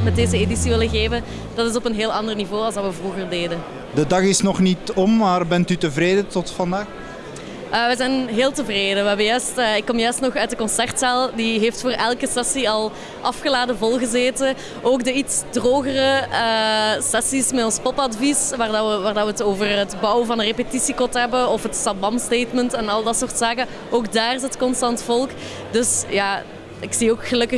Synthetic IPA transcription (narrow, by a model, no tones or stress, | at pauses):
mɛt̚deːzəedisiʋɪləɣeːvən | d̥ɑtɪsɔpənɦeːlˠɑndərnivoːɑlˠzdɑʋəvruɣərdeːdən | dədɑɣɪsnɔχnitɔmːaːrbɛntytəvɾeːdətɔtfɑndaːx | əːʋəzɛjnɦeːlˠtəvreːdəʋəɦɛbəjœɥstːɪkːɔmjœɥstnɔxœɥtdəkɔnsɛrtsɛlˠdiɦeːftfoːrʔɛlˠkəsɛsiɑlˠ | ʔɑfxəlaːdəvɔlˠɣəzeːtə | ʔoːɡdəitsdroːɣərəəsɛsismɛtɔnspɔpɑdvisʋaːrdɑəʋaːrdɑʋəətoːvərɦətbɔwəvɑnərepətisikɔtɦɛbəɔfɦətsɑd̚bɑmstejtməntɛnɑlˠdɑtsoːrtsaːkə | oːɡdaːrɪzətkɔnstɑntfɔlˠk | dɵsjaː | ɪksioːkxəlɵkə